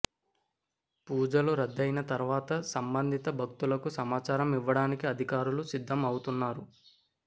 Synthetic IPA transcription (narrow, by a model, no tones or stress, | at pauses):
puːd͡ʒɐluɾɐd̪ːɐjnɐt̪ɐɾʋaːt̪ɐsɐmbɐnd̪ʱit̪ɐbʱɐk̚t̪ulɐkusɐmaːt͡ʃaːɾɐmiʋːɐɽaːnikiɐd̪ʱikaːɾulusid̪ʱːɐmɐwut̪unːaːɾu